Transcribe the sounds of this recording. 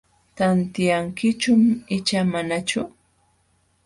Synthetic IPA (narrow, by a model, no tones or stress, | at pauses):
t̪ant̪ɪjaŋkɪt͡ʃʊmɪt͡ʃamanat͡ʃʊ